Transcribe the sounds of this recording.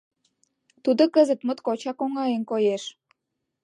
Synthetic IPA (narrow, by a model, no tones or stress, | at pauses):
t̪ud̪okəzət̪mət̪kot͡ɕɑkoŋɑjenkojeʃ